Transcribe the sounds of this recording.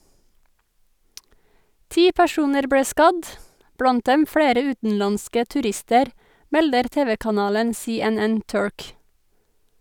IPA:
ˈtiː pæˈʃuːnəɾ ˈbɽeː ˈskɑd ˈblɑnt ˈdɛm ˈfɽeːɾə ˈʉːtn̩lɑnskə tʉˈɾɪstəɾ ˈmɛldəɾ ˈteːʋəkɑˌnɑːlən seːɛˈnɛn ˈtʉɹk

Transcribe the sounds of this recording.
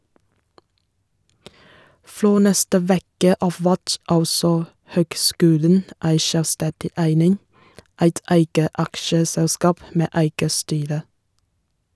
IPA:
ˈfɾoː ˈnɛstə ˈʋeːkə ˈɑːf ˈʋæt ˈɑlsɔ ˈhøːɡˌskʉːlən ˈæɪ ˈʃœlˌstɛdɪ ˈæɪnɪŋ ˈæɪt ˈæɪɡə ˈɑkʃəsɛlˌskɑːp ˈmeː ˈæɪɡə ˈstyːɾə

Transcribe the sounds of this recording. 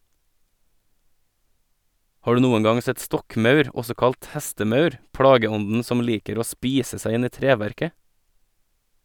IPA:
ˈhɑː ˈɖʉː ˈnuːən ˈɡɑŋ ˈsɛt ˈstɔkˌmɑʉɾ ˈɔsɔ ˈkɑlt ˈhɛstəˌmɑʉɾ ˈpɽɑːɡəˌɔndn̩ ˈsɔm ˈliːkəɾ ˈoː ˈspiːsə ˈsæɪ ˈɪn ˈiː ˈtɾeːˌʋæɾkə

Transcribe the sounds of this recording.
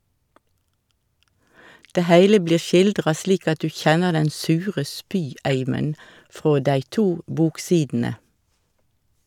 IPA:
ˈdeː ˈhæɪlə ˈbliːʁ ˈʃɪldʁɑ ˈsliːk ˈɑt ˈdʉː ˈçɛnəʁ ˈdɛn ˈsʉːʁə ˈspyːˌæɪmən ˈfʁoː ˈdæɪ ˈtuː ˈbuːkˌsiːdn̩ə

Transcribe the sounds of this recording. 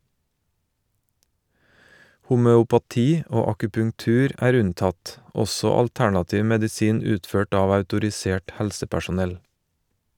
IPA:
hʊmœʊpɑˈtiː ˈoː ɑkʉpʉŋˈtʉːɾ ˈæːɾ ˈʉnˌtɑt ˈɔsɔ ɑlˈtæɳɑˌtiːʋ mɛdɪˈsiːn ˈʉːtˌføːʈ ˈɑːʋ ɑʉtʊɾɪˈseːʈ ˈhɛlsəpæʃʊˌnɛl

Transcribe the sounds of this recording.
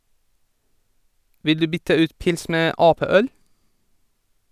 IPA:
ˈʋɪl ˈdʉː ˈbʏtə ˈʉːt ˈpɪls ˈmeː ˈʔɑːˌpeːˌœl

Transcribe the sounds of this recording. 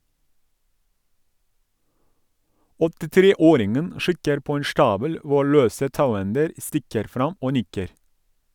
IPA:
ɔtɪˈtɾeːˌoːɾɪŋən ˈʃɪkəɾ ˈpoː ˈeːn ˈʃʈɑːbəl ˈʋʊ ˈɭøːsə ˈtɑʉˌɛndəɾ ˈstɪkəɾ ˈfɾɑm ˈoː ˈnɪkəɾ

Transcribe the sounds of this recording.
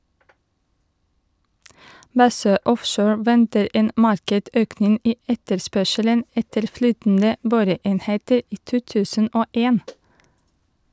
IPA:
ˈbɑsøː ˈʔɔfʃoːɹ ˈʋɛntəɾ ˈeːn ˈmɑɾkɛʈ ˈøːknɪŋ ˈiː ˈɛtəɾˌspœʃələn ˈɛtəɾ ˈflyːtəndə ˈboːɾəˌeːnheːtəɾ ˈiː ˈtuː ˈtʉːsən ˈʔoː ˈeːn

